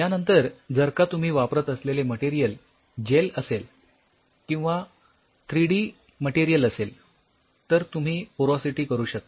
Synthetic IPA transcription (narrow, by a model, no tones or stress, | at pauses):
janənt̪əɾd͡zəɾkat̪um̤iːʋapɾət̪əsleleməʈiɾijəl | d͡ʑeləsel | kĩw̃ʋa | t̪ʰɾiɽiː | məʈiɾijələsel | t̪əɾt̪um̤iːpoɾosiʈiːkəɾuːɕək̚t̪a